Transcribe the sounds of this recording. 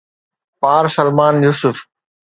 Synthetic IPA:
paːɾsɐlmaːnjuːsʊf

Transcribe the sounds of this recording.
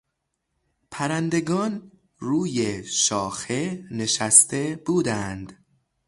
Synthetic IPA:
pʰæɾænd̪e̞ɡɒːn | ɾuːjeʃɒːxe̞ne̞ʃæst̪e̞b̥uːd̪ænd̪

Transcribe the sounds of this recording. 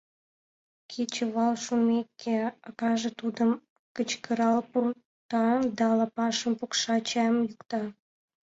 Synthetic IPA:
kʲʰet͡ɕə̆βɑlʃumʲekʲːeɑkɑʒĕt̪ud̪əm | kət͡ɕkəɾɑlpur | t̪ɑd̪ɑlɑpɑʃəmpukʃɑt͡ɕɑmjukt̪ɑ

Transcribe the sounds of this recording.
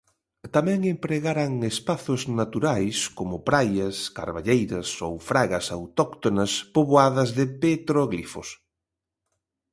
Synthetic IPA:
t̪amɛ̃ŋempɾeɣaɾaŋespaθʊznat̪uɾajskomʊpɾajɐska̰ɾβaʎejɾɐsowfɾaɣɐsawt̪ɔkt̪onɐspoβoaðɐzðɪpet̪ɾoɣlifo̰s

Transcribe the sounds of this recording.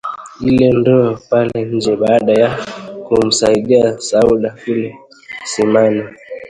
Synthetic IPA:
ilɛndɔapalɛɲ̩d͡ʒɛɓaːɗajakum̩saiɗiasauɗakulɛ | simani

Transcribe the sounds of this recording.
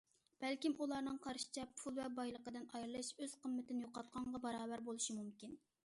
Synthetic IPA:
b̥ɛlkʲimʔulˠɑɾnɨŋqʰɑɾʃi̥t͡ʃʰɛpʰulˠvɛbɑjlˠəqəd̪ɨɪnɑjɾɨlˠɨʃøz̥qʰəmːɪt̪ɪnɪjoqɑt̪̚qɑɴʁɑbɑɾɑːbæɾbolˠuʃimumkʲin

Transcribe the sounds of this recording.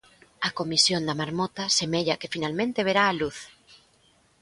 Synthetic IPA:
ɐkomisjond̪amaɾmɔt̪asemeʎɐkefinalmẽnt̪eβ̞eɾaːluθ

